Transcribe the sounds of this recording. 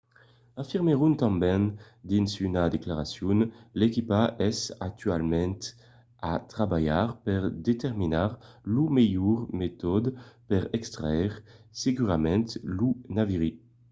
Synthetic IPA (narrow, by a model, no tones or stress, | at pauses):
afiʁmeʁunt̪ɑ̃mbɛ̃n | d̪insynad̪eklaʁasjunlekipaʔɛsa̰k̚t̪ʰyalmɛ̃nt̪ | at̪χabajaʁpɛʁd̪et̪ɛʁminaʁlumejuʁmet̪ɔd̪pɛʁɛkst̪ʁaɛʁsekyʁamɛ̃nt̪lunaviʁi